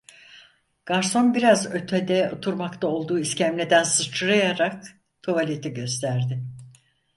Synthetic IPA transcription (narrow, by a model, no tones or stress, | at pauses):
ɡ̥aɾso̞nbiɾazø̞t̪ʰɛd̪ɛot̪ʰuɾmakt̪ʰao̞lˠd̪uːiscæmlʲed̪ænsɯt͡ʃʰɯɾajaɾak | t̪ʰovalʲet̪ʰiɟø̞st̪ʰæɾd̪ɪ